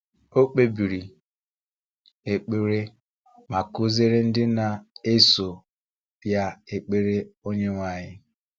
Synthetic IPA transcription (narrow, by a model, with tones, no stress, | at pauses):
o˦k͡pe˦bi˨ɾi˨ | e˨k͡pe˨ɾe˦ | ma˨ku˦ze˦ɾe˦n̩˦dɪ˦na˨e˦so˨ | ja˦e˨k͡pe˦ɾe˦o˦ɲe˦ŋʷa˨ɲɪ˦